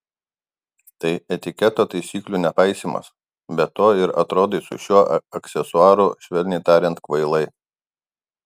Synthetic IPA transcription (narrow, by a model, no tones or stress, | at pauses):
t̪ɐɪʔɛt̪ʲɪkʲɛt̪oːt̪ɐɪsʲiːklʲuːnʲɛpɐɪsʲiːmɐ̰s | bʲɛt̪oːɪɾɐ̰t̪ɾoːd̪ɐɪsʊ̰ʃʲuɔɐkʲsʲɛsʊɑːɾʊʃʲʋʲɛlʲnʲɛɪt̪ɑːɾʲɛnt̪kʋɐɪlˠɐɪ